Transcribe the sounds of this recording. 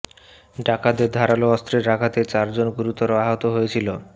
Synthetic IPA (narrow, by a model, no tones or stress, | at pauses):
ɖakad̪eɾd̪ʱaɾaloɔst̪ɾeɾːakʰat̪et͡ɕaɾd͡ʑonɡuɾut̪ɔɾoaɦot̪oɦojet͡ɕʰilo